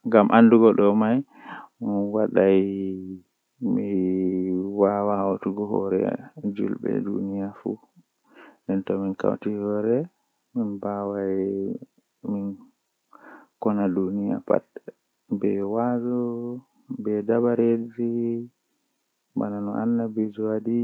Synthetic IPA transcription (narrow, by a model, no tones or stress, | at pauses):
ŋɡamʔanduɡɔɗɔmaj | nwaɗaj | mi | wawahotuɡɔɦɔ̰ɾɛ̰d͡ʒṵlɓɛ̰dṵnijafṵ | ɗɛntɔminka̰wtihɔɾɛ | minbawa | min | kɔnadunija̰pa̰tːɛ | bɛwad͡ʒɔ | bɛdabaɾed͡ʒi | ba̰nanɔʔanːabid͡ʒɔwadi